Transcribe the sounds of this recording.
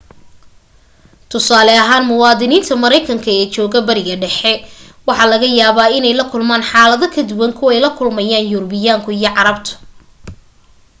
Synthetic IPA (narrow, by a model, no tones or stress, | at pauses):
t̪ʰʊsaːlɛɐɦaːnmʊwɑːðɪniːnt̪ʰɐmɐɾɛjkʰɐŋkʰɐɛːt͡ʃɔːɣɐbɐɾɪɣɐɖɛħɛ | wɑħɑːlɐɣɐjaːβaːɪnɛjlɐkʰʊlmaːnħɑːlɐðɐkʰɐd̪ʊwɐŋkʰʊɛjlɐkʰʊlmɐjaːnjʊɾbɪjaːŋkʰʊijɞʕɑɾɐbt̪ʰʊ̥